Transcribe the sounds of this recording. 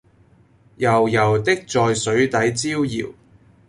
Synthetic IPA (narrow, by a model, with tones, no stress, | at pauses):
jɐ˨˩wjɐ˨˩wt̪ɪ˥k̚t͡sɔː˨jsɵ˨˥ɥt̪ɐ˨˥jt͡siː˥wjḭː˨˩w